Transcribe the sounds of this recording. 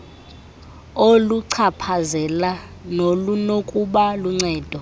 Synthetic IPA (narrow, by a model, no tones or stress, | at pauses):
oluǀʰapʰazɛla | nolunokʼuɓaluŋ͡ǀɛːd̥ʱɔ